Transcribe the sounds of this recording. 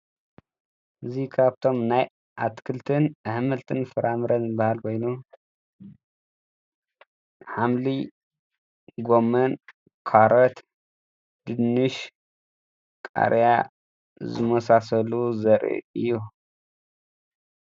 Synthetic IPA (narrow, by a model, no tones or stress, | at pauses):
ʔɨzikʰaβt̪ʰo̞mnaj | ʔat̪kʰɨlt̪ʰɨnʔɨhmɨlt̪ʰɨnfɨɾʔamɨɾɐnzɨbahalkʰo̞jnu | ħamli | ɡo̞mɐn | kʰaɾɐt̪ | d̪̥ɨnːɨʃ | kʼa̰ɾja | zɨ̰mɐsasɐluzɐɾḭɨjːu